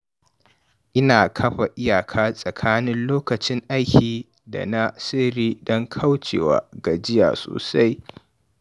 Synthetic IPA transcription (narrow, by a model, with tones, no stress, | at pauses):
ʔɪ˦naː˨kʰɐ˦ɸa˨ʔɪ˦jaː˨kʰaː˦sʼɐ˨kʰaː˦nɪ˦nloː˦kɐ˨t͡ʃɪ˦ŋʔa˦jkʲiː˨ | da̰˨na˦sɪ˦ɾiː˦dɔ˦ŋkʰa˦wt͡ʃḛː˨wa̰ː˨ɡa˨d͡ʒɪ˦ja̰ː˨so̰ː˨sa˦j